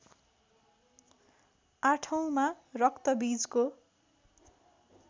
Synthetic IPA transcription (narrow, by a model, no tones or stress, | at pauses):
aʈʰʌw̃ma | rʌkt̪ʌbid͡zko